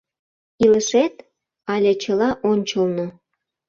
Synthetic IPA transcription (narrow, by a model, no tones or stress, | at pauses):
iləʃet̪ | ɑlʲet͡ɕəlɑʔonʲt͡ɕəlno